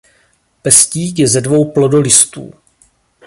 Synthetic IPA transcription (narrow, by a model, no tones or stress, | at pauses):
pɛsciːkjɛzɛdvo̞wplo̞do̞lɪst̪ṵː